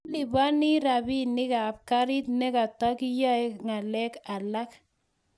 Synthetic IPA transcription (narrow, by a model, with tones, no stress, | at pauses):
lɪ˨ba˦nɪ˦ɾa˨bi˦nɪ˦kaː˨pka˦ɾɪ˦t̪nɛ˦ka˨ta˦kɪ˦ja˦e˦ŋa˨lɛ˦ka˨la˦k